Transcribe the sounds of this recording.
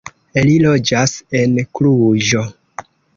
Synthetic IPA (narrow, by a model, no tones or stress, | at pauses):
elilo̞d͡ʒase̞nkluʒo